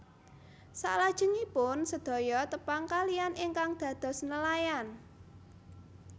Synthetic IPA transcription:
sa̰ʔlad̥ʒ̥ə̤ŋipʊnsəd̪̥ɔ̤jɔt̪əpaŋkalianʔɪŋkaŋd̪̥ä̤d̪̥ɔ̤snəlajan

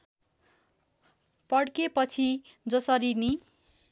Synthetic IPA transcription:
pʌɽkepʌt͡sʰi | d͡zʌsʌɾini

